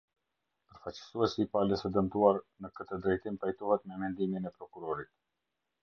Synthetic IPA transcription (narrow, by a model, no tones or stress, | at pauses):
pəɾfat͡ɕə̥suɛsiːpaləsɛd̪əmt̪uaɾnəkət̪əd̪ɾɛjt̪impajt̪uɦɛt̪mɛmɛnd̪imjinɛpɾɔkuɾɔɾit̪